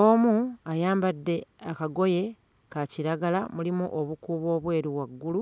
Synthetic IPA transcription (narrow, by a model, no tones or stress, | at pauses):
omuajaːmbadːe̞akaɡo̞je̞ | kaciɾaɡalamulimuʔoβukuːβo̞ːβwe̞ːɾiwaɡːulu